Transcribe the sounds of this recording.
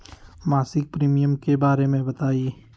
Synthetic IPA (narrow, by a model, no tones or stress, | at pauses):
maːsɪk̚pɾiːmijəmkebaːɾemẽbɐt̪aːi